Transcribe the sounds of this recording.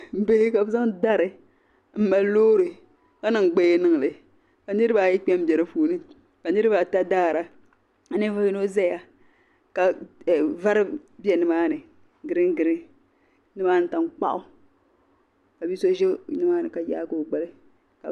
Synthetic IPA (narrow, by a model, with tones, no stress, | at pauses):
m̩˦be˦hɪ˦ka˨bɨ˨˦za˦ŋda˦ɾɨ˨ | m̩˦ma˨˦loː˦ɾɨ˨ | ka˦nɨ˨ŋ˨ɡ͡be˦je˦nɨ˦ŋ˨lɨ˨ | ka˨nɨ˦ɾɨ˦ba˨jɛ˦k͡pɛ˦m˦bɛ˨ɾɨ˦fuː˨˦nɨ˦ | ka˨nɨ˦ɾɨ˦ba˨ta˦daː˦˨ɾa˨ | a˨nɨ˦va˦ji˦no˦za˦ja˨ | ka˨ | va˦ɾɨ˦bi˦ɛ˨nɨ˦maː˦nɨ˨ | ɡɨ˨ɾɨ˦ŋ˦ɡɨ˨ɾɨ˦ | nɨ˦maː˦n̩˦ta˨ŋ˦k͡pa̰˦ʔʊ˦ | ka˨bi˦so˦ʒɛ˦nɨ˦maː˦nɨ̰˨ka˨ja̰ː˦ko˨ɡ͡ba˨lɨ˦ | ka̰˨